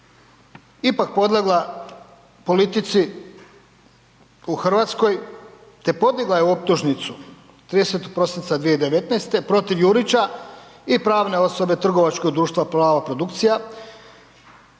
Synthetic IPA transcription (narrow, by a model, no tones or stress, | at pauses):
ipak̚po̞d̪lˠeɡlˠa | po̞lit̪it̪si | uxrʋat̪sko̞j | t̪e̞po̞d̪iɡlajeuo̞p̚t̪uʒnit̪su | t̪ɾiːd̪e̞se̞t̪oɡ̚pɾo̞sint̪sad̪ʋijed̪e̞ʋe̞t̪nast̪e̞pɾo̞t̪iʋjuɾit͡ɕaipɾaːʋne̞o̞so̞be̞t̪r̩ɡo̞ʋat͡ʃko̞ɡd̪ɾuːʃt̪ʋaplaːʋapɾo̞d̪ukt̪sija